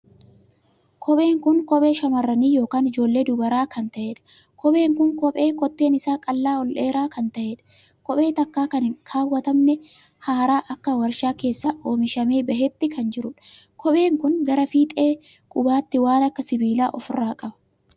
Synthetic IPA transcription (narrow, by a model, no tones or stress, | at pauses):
kʰɔɓe̞ːŋkʊŋkɔɓʼe̞ːʃɐmɐrːɐniːjo̞ːkaːnɪd͡ʒo̞ːlːe̞ːd̪ʊbɐɾaːkɐnt̪ɐʔe̞ːᶑɐ̥ | kʰɔɓe̞ːŋkʊŋkɔpʼe̞ːkɔt̪ːe̞ːnɪsaːkʼɐlːaːɔlʔeːɾaːkɐnt̪ɐʔe̞ːᶑɐ̥ | kɔɓʼe̞ːt̪ɐkːaːkɐnɪkʰaːwːɐt̪ɐmnɛ | haːɾaːʔɐkːɐwɐɾʃaːke̞ːsːaːʔoːmɪʃɐmeːbɐhɛt̪ːɪkʰɐnd͡ʒɪɾʊᶑɐ̥ | kɔɓe̞ːŋkʊŋɡɐɾɐfiːt̪ʼe̞ː | kʼʊbaːt̪ːɪwaːnɐkːɐsɪbiːlaːʔɔfɪrːaːkʼɐbɐ̥